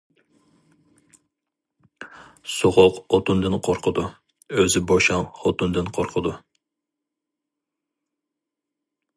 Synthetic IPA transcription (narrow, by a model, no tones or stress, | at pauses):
soʁʊqot̪und̪ɨnqʰoɾqʰəd̪u | øzɪboʃɑŋχot̪und̪ɨnqʰoɾqʰəd̪u